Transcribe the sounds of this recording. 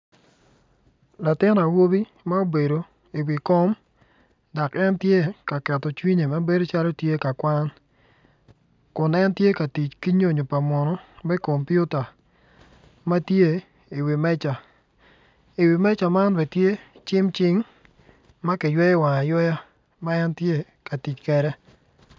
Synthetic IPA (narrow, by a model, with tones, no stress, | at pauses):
la˨tɪ˦na˨wo˦bi˦ | ma˦o˦be˨do˨ | i˨wi˨koɔ˦m | dɔ˨kɛ˦ntje˦ka˨kɛ˨tɔ˨t͡ʃwi˦ɲe˨ma˦be˦do˦t͡ʃa˦lo˦tje˦ka˨kwa˦n | kʊ˨nɛ˦ntje˦ka˨ti˨t͡ʃki˦ɲo˦˨ɲo˨pa˨mɔ˨nɔ˦mɛ˦ko˨mpju˦ta˨ | ma˦tje˦ | i˨wi˨mɛ˦t͡ʃa˨ | i˨wi˨mɛ˦t͡ʃa˨ma˦nwɛ˨tje˦t͡ʃɪ˦mt͡ʃɪ˦ŋ | ma˦ki˨jwɛ˦jwa˨ŋa˨jɔ˦ja˦ | ma˦ɛ˦ntje˦ | ka˨ti˨t͡ʃkɛ˨ɾɛ˦